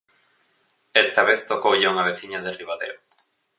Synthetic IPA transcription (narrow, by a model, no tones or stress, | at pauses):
ɛst̪ɐβeθt̪okowʎeuŋaβ̞eθiɲaðeriβaðḛo